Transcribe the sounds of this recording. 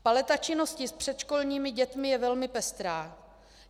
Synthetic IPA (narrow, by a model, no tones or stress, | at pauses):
palɛt̪at͡ʃɪno̞scɪspr̝̥ɛt̪ʃkolɲiːmɪɟɛt̪mɪjɛvɛlmɪpɛst̪ɾaː